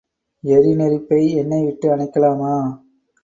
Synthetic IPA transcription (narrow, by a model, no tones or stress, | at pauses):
ɛɾinɛɾɪpːɐɪɛnːɐɪʋɪʈːɯɐɳɐɪkːɐlaːmaː